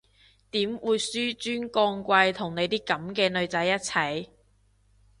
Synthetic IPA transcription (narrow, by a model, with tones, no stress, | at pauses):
t̪iː˨˥mwuː˨˧jsyː˥t͡ʃyː˥nkɔː˧ŋkʷɐ˧jt̪ʰʊ˨˩ŋne˨˧jt̪iː˥kɐ˨˥mkɛː˧nɵ˨˧ɥt͡sɐ˨˥jːɐ˥t̚t͡sʰɐ˨˩j